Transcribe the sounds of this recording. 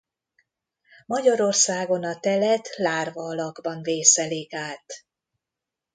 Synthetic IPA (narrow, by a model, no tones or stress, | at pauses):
mɒɟɒɾo̞rsaːɡo̞nɒt̪ɛlɛt̪laːrvɒːlɒɡbɒnveːsɛlikaːt̪